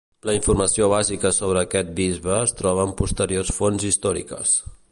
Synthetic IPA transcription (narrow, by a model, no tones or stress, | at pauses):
ləiɱfurməsioβ̞azikəsoβ̞ɾəːkɛt̪̚bizβəːst̪ɾɔβ̞əːmpust̪əɾiorsfonzist̪ɔɾḭkə̰s